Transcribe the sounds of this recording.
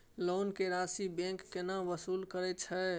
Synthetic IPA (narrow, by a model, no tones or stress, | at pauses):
lonkeɾasibẽŋkːenaʋəsulkəɾɛt̪t͡ʃʰɛ